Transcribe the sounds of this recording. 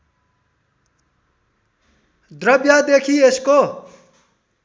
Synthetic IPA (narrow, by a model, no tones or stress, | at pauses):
d̪ɾʌbjad̪ekʰiesko